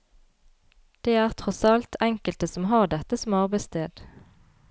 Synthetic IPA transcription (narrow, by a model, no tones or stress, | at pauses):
d̪̥eːæːʁt̪ʰʁɔsɑlt̪ʰɛŋkəlt̪əsɔmɦɑːʁd̪ɛt̪əsɔmɑʁbæɪst̪ʰeːd̪̥